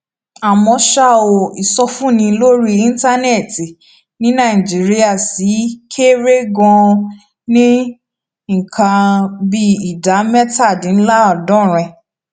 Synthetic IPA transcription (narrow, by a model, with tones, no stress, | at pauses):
a˨mɔ̃˧ʃa˦˨o˨i˨sɔ˧fũ˦˨nĩ˧˦lo˦ɾi˦ĩ˦n̩˦ta˦nɛ˦˨ti˨ | nĩ˦nã˦˨i˨d͡ʒi˨˦ɾi˦a˦˨si˨˦kʰe˦ɾe˦ɡɔ̃˧ | nĩ˦ | ŋ̩˨kʰã˧bi˧˦i˨da˨˦mɛ˦ta˦˨dĩ˨˦n̩˦la˦ɔ˨dɔ̃˦˨ɾ̃ɛ̃˧